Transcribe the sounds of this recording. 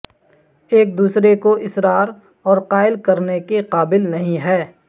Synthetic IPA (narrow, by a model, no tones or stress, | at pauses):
eːk̚d̪uːsɾekoʔɪsɾaːɾ | ɔːɾqaːɪlkɐɾnekeqaːbɪlnɐɦĩɦɛː